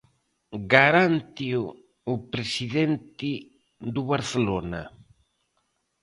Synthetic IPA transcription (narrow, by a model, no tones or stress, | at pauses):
ɡaɾant̪i | upɾesiðent̪ɪ | d̪uβaɾθelona̰